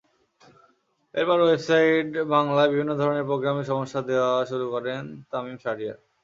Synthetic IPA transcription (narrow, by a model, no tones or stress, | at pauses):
eɾpɔɾwebsajʈbaŋlaebibʱinːod̪ʱɔɾoneɾpɾoɡɾameɾʃɔmoʃːad̪eoaʃuɾukɔɾent̪amimʃaʈija̰